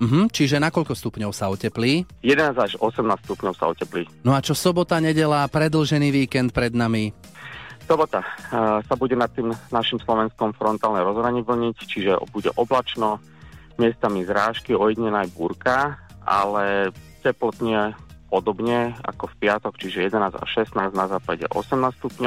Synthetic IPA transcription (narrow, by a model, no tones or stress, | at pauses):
m̩ɦm̩t͡ʃiʒɛnakɔʎkɔst̪upɲɔʊsaɔcɛpliːjɛd̪ɛnaːzaʒɔsɛmnaːstst̪upɲɔʊsa̰ɔcɛpliːnɔat͡ʃɔsɔbɔt̪aɲɛɟɛlapɾɛd̪l̩ʒɛniːʋiːkɛnt̪̚pɾɛd̪nami | sɔbɔt̪asabuɟɛnat̪ːiːmnaʃimslɔʋɛnskɔmfɾɔnt̪aːlnɛɾɔzɦɾaɲiʋl̩ɲict͡ʃiʒɛbuɟɛ̰ʔɔblat͡ʃnɔ | mɪɛst̪amizɾaːʃkiɔjid̪ɲɛnajbuɾka | a̰lɛcɛplɔt̪ɲɪɛpɔd̪ɔbɲɛa̰kɔfpɪat̪ɔkt͡ʃiʒɛjɛd̪ɛnaːza̰ʃɛsnaːznazaːpaɟɛ̰ʔɔ̰sɛmnaːstst̪upɲɔ